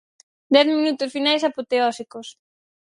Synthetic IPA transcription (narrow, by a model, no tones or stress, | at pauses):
d̪ɛθmĩnut̪ʊsfinajsapot̪eɔsikos